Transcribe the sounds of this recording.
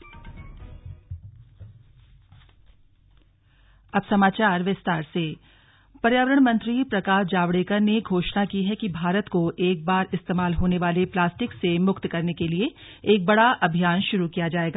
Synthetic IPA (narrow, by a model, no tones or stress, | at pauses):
ɐbsɐmaːt͡ʃaːɾʋɪst̪aːɾseː | pɐɾjaːʋəɾəɽ̃mɐ̃nt̪ɾipɾɐkaːʃd͡ʒaːʋɽeːkəɾneɡʱoːʃnakiɦɛkibʱaːɾət̪koʔeːk̚baːɾɪst̪eːmaːlɦoːneʋaːleplaːsʈɪksemʊkt̪kɐɾnekelieː | k̚bɐɽaʔɐbʱijaːnʃʊɾukijad͡ʒaːeːɡaː